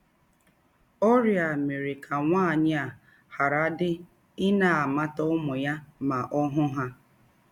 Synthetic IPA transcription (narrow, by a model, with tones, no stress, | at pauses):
o˦ɾja˨me˨ɾɪ˨kʰa˨ŋʷaː˦˨ɲɪ˦a˨ | ha˨ɾa˦dɪ˦ | ɪ˦na˨a˨ma˦tɔ˦ʊ˦mʊ˨ja˦ma˨ʔɔ˦ɦʊ˦ɦa˦